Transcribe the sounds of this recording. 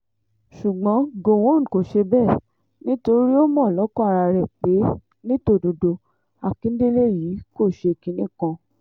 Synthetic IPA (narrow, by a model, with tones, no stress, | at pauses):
ʃu˨ɡ͡bɔ̃˨˦ɡo˨w̃ɔ̃˦n̩˨ko˨ʃe˧bɛ˦˨ | nĩ˦to˧ɾi˦o˦mɔ̃˦˨lɔ˨˦kɔ̃˦a˨ɾa˧˨ɾɛ˨k͡pe˨˦ | nĩ˦to˦˨do˨do˧ | a˨kĩ˨˦n˦de˦le˦˨jiː˨˦ko˦˨ʃe˧˨kĩ˨˦nĩ˦kã˧